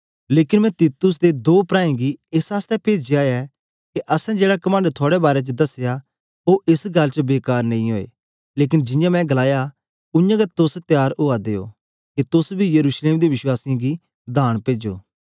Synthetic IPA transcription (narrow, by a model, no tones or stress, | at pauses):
leːkɪnmɛ̃t̪iːt̪ʊs̬d̪ed̪oːpɾãːẽɡiɪsaːst̪ɛpeːd͡ʒiaːjɛ | keʔɐsɛ̃d͡ʒeːɽakɐmə̃ːɳɖt̪ʰoːɽɛbaːɾɛt͡ʃəd̪ɐsja | oʔɪsɡɐlt͡ʃəbeːkaːɾnɐ̃ĩɦoːḛː | leːk̬ɪnd͡ʒɪ̃jãmɛ̃ɡɐlaːja | ʊ̃jãɡat̪ʊst̪jaːɾʊːad̪eːo̰ː | ket̪ʊsbʱijɐɾuːʃleːmd̪eʋɪʃwaːsijãɡi | d̪ʱaːɽ̃peːd͡ʒo̰ː